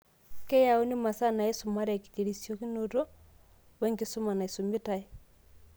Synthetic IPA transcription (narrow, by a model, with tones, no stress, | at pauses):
kɛ˦jao˦ni˦ma˨sa˦na˨ɛ˦su˨ma˦ɾɛ˨ki̥te˨ɾi˨sjɔki˦notɔ˦ | wɛ˦ŋɡe˨so˦ma˨na˨e˨some˦tae˦